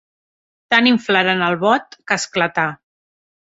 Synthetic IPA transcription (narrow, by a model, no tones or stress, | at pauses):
t̪aniɱflaɾənəlˠβɔt̪kəsklət̪a